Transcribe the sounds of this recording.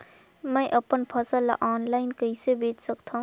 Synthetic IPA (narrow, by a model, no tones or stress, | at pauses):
mɛ̃jʔɐpənpʰəsəlːa̰ʔaːnlaːɪnkəisebeːt͡ʃsəkt̪ʰaɦũ